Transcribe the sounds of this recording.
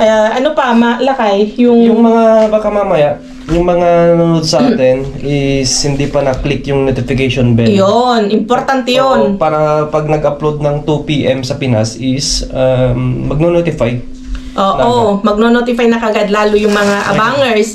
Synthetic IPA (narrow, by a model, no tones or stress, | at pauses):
ʔɐaʔɐnopɐmɐlɐkajjʊŋjʊŋmɐŋabaːkɐmamɐjaʔ | jʊŋmɐŋanɐnunod̪̚sɐʔat̪ɛnɪshɪnd̪ipɐnɐklɪkjʊŋnot̪ɪfɪkejʃonbɛjonʔɪmpoɾt̪ant̪ɛjonpaːɾɐpɐɡ̚nɐɡɐplod̪̚nɐŋt̪upiːʔɛmsɐpɪnasɪsamːɐɡ̚nonot̪ɪfaj | ʔoːʔomɐɡ̚nonot̪ɪfajnɐkɐʔɐɡad̪laːlʊjʊŋmɐŋaʔɐ̰baŋɛɹs